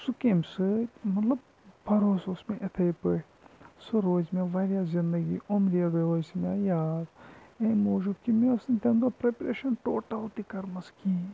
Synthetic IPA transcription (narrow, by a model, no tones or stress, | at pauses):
sukemsɨmɐt̪lɐb̚ | pɐɾoːsosmẽʔet̪ʰɐjpɨ | sɨɾoːzmʲaʋaːɾʲjaːzind̪əɡḭːʔomɾiaɾɐoːsmʲajaːd̪ẽmoːʒub̚kimeɐsnt̪ʲemd̪opɾepɾeːʃɐnʈoːʈaut̪ikɐɾmɐskĩː